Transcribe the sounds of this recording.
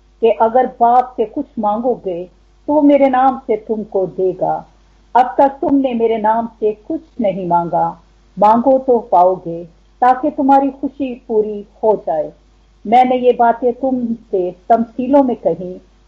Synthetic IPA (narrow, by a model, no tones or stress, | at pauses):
keʔɐɡəɾbaːpsekʊt͡ʃʰmãːŋɡoɡe | t̪omeːɾenaːmset̪ʊmkod̪eːɡaː | ɐbt̪ɐk̚t̪ʊmnemeːɾenaːmsekʊt͡ʃʰnɐɦĩmãːŋ̆ɡaː | mãːŋɡot̪opaːoɡeː | t̪aːket̪ʊmɦaːɾixʊʃipuːɾihod͡ʒaːeː | mɛ̃ːnejebaːt̪ẽt̪ʊmset̪ɐmsiːlõmẽkɐɦĩ